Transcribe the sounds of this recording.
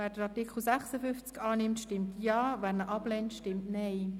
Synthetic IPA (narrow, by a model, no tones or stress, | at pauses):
vɛːd̥əɾɑtɪkʰl̩sɛχsəfʏnft͡skɑːnɪmtʃtɪmtjɑːvɛːɾnəʔɑblɛntʃtɪmtnɛɪ